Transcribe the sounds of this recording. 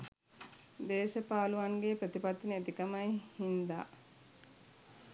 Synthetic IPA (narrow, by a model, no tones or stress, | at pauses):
d̪eːʃəpaːluʋaŋɡeːpɾət̪ipat̪ːinəet̪ikɐmajhind̪a̰ː